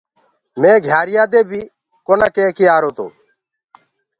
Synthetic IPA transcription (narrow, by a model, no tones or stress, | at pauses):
mẽːɡʱjaːɾɪjaːd̪eːbʱiː | koːnaːkeːkɪjaːɾoːt̪o̰ː